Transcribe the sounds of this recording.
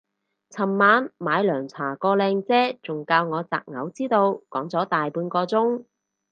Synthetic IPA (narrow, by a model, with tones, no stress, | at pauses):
t͡sʰɐ˨˩mːaː˨˧nmaː˨˧jlœː˨˩ŋt͡sʰaː˨˩kɔː˧lɛː˧ŋt͡sɛː˥t͡sʊ˨ŋkaː˧wŋɔː˨˧t͡sa̰ː˨k̚ŋɐ˨˧˥wt͡siː˥t̪o˧wkɔː˨˥ŋt͡sɔː˨˥t̪aː˨jpuː˨˧nkɔː˧t͡sʊ˥ŋ